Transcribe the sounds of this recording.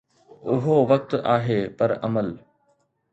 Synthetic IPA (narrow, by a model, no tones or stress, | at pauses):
ʊɦoʋɐk̚t̪aːɦeːpɐɾɐ̰məl